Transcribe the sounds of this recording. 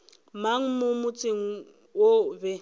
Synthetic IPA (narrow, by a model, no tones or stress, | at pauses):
maŋ̩mʊmʊt͡sʼɪŋ̩ | wobɛ